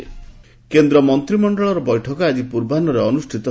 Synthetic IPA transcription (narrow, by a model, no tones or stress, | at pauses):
kend̪ɾɔmɔnt̪ɾimɔɳɖɔɭɔɾɔbɔjʈʰɔkɔad͡ʒipuɾbanɔɾeɔnusʈʰit̪ɔ